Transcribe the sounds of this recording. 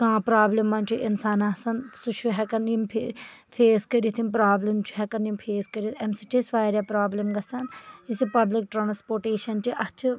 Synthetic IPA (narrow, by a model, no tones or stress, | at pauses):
kãːpɾaːblimːãːnt͡ʃʰuʔɪnsaːnaːsɐnsut͡ʃʰuɦɛkɐnimpʰ | pʰeːskɐɾit̪ʰimp̬ɾaːblɐmt͡ʃʰu̥ɦɛkɐnimpʰeːskɐɾit̪ɛmsiʈisʋaːɾʲjaːpɾaːblɐmɡɐsɐnisipɐblɪk̚ʈɾaːnspoːɾʈeːʃɐnt͡ʃiʔɐt͡ʃʰ